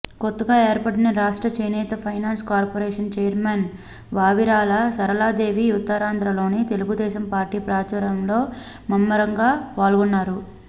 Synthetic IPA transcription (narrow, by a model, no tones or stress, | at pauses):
kot̪ːɐɡaːeːɾpɐʈinɐɾaːʂʈɾɐt͡ʃɐjnɛːt̪ɐpʰɐjnaːnskaːɾpoɾɛːʂɐnt͡ʃɛːjɐɾmen | ʋaːʋiɾaːlɐsɐɾɐlaːd̪e̞ːʋiut̪ːɐɾaːnd̪ʱɾɐlo̞ːnit̪eluɡud̪ɛːʃɐmpaːɾʈːiːpɾaːt͡ʃɐːɾɐmlo̞ː | mɐmːɐɾɐŋɡaːʋaːlɡunːaːɾu